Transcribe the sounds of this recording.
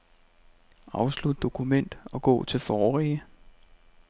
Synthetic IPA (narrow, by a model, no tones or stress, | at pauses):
ɑ̈ʊslud̥̚ːo̝kʰumen̰d̥ɒ̽ɡ̥ɔ̰̽ːt͡sʰe̝lfɒːʁɛːə